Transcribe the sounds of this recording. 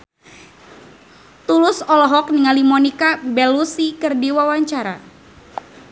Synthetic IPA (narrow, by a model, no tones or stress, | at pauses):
t̪ulʊsɔlɔɦɔk̚niŋalimɔnikabɛlusikɨrdiwawaɲt͡ʃaɾa̰